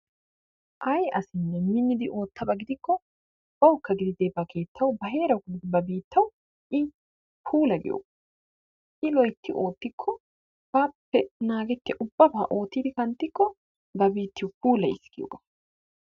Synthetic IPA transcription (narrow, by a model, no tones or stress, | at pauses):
ʔɐjɐsɪnːɛmɪnːɪd̪ɪʔo̞ːt̪ːɐbɐɡɪd̪ɪkːɔ | b̥ɐwkːɐɡɪd̪ɪd̪eːbɐkʰe̞ːt̪ʰːɐwbɐɦe̞ːɾɐwɡɪd̪ɪbɐbiːt̪ʰːɐw | ʔɪ | pʰuːlɐɡɪ̰jo̰ːɡɐ | ʔɪlɔjt̪ːɪʔo̞ːt̪ːɪkʰːɔ | b̥aːpːɛnaːɡɛt̪ːɪʔʊbːɐbaːʔo̞ːt̪ːid̪ɪkɐnt̪ːɪkːɔ | bɐbiːt̪ːɪwpuːlɐɪskɪjo̰ɡɐ̥